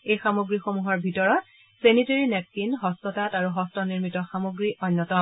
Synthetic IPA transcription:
ejxamoɡɹixomuɦɔɹbʱitɔɹɔt | seniteɹinɛp̚sinɦɔstɔtataɹuɦɔstɔniɹmitɔxamoɡɹiʔɔnːɔtɔ

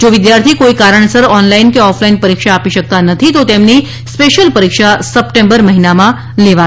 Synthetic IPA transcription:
d͡ʒoʋɪd̪jaɾt̪ʰikoikaɾəɳ̃səɾɔnlainkeɔfʰlainpəɾikʃaːpiʃək̚t̪anət̪ʰit̪ot̪emni | speʃəlpəɾikʃasəpʈẽmbəɾməɦinamã | leʋa

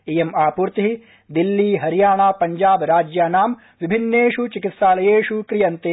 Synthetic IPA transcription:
ejemaːpuːɾt̪iɦi | d̪ilːiːɦɐɾjaːɳaːpɐɲd͡ʒaːbɾaːd͡ʒjaːnaːm | ʋibʱinːeːʃut͡ʃikit̪ʃaːlɐjeːʃukɾijɐnt̪eː

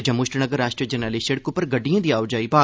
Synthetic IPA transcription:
d͡ʒɐ̃mʊʃʈnəɡəɾːaːʃʈɾiəd͡ʒənaːliʃəɽkʊpːəɾɡəɖːijãːd̪iːaːʊd͡ʒaːiːbaː

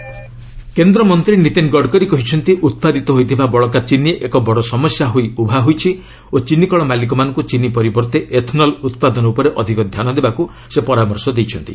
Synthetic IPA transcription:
kend̪ɾɔmɔnt̪ɾinit̪enɡɔɖkɔɾikɔɦit͡ʃʰɔnt̪iʔut̪̚pad̪it̪ɔɦojt̪ʰibabɔɭɔkat͡ʃinieʔekɔbɔɽɔsɔmɔsjaɦojubʱaɦojt͡ʃʰi | ot͡ʃinikɔɭɔmalik̬ɔmanɔŋkut͡ʃinipɔɾibɔɾt̪eʔet̪ʰnɔlut̪̚pad̪ɔnɔupɔɾeʔɔd̪ʱikɔd̪ʱjanɔd̪ebaku | sepɔɾamɔɾsɔd̪ejt͡ʃʰɔnt̪ḭ

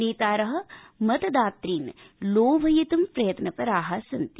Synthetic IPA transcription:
iːt̪aːɾɐɦɐ̆ | mɐt̪ɐd̪aːt̪ɾiːnloːbʱɐjit̪ɐmpɾɐjɐt̪nɐpɐɾaːɦaːsɐnt̪i

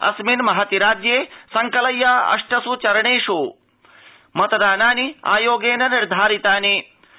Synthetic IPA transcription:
ɐ̰sminmɐɦɐt̪iɾaːd͡ʒjeːsɐŋkɐlɐjːaɐ̰ʂʈɐsut͡ʃɐɾɐɳeːʂoː | mɐt̪ɐd̪aːnaːnia̰ːjoːɡeːnɐniɾd̪ʱaːɾit̪aːni

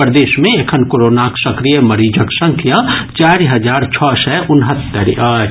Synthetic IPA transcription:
pɾd̪eːʃmẽekʰənkoɾoːnaːksɐkɾijəmɐɾiːd͡ʒəksɐ̃ŋkʰijãt͡ʃaːɾiɦɐd͡ʒaːɾt͡ʃʰɔːsɛʔʊnɦət̪ːəɾ

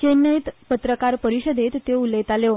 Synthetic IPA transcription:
kenəit̪pət̪ɾəkaɾpəɾiɕəd̪ʱet̪ːeulət̪alo

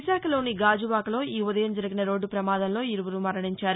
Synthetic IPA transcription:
ʃaːkʰɐlo̞ːniɡaːd͡ʒuʋaːkɐlo̞ːʔiːud̪ɐjɐmd͡ʒɐɾiɡinɐɾo̞ːɖːupɾɐmaːd̪ɐmlo̞ːiɾuʋuɾumɐɾɐɳiɲt͡ʃaːɾu

